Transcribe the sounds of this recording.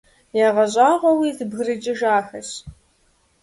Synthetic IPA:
jaːʁɐʑʼɑːʁʷɔwiːzɨbɣɨrɨd͡ʒʼɪʒaːxɐɕ

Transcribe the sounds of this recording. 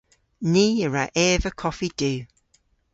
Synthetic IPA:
niːəɹaɪʔɛːvəkʰɒfid̥ʉː

